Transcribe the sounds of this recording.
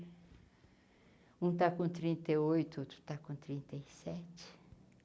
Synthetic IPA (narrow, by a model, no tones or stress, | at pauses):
ũt̪akõt̪ɾĩnt̪ejojt̪ʊot̪ɾʊ̥t̪akõt̪ɾĩnt̪ejsɛt͡ʃɪ̥